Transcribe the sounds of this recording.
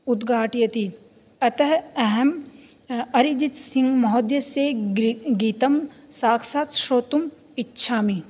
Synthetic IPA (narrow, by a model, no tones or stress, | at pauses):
ud̪ɡʱaːʈijɐt̪i | ɐt̪ɐɦɐɦɐm | ɐɾid͡ʒit̪sĩŋɡmɐɦoːd̪jɐseːɡiːt̪ɐmsaːkʰsaːt̪ʃoːt̪um | itːʃʰaːmi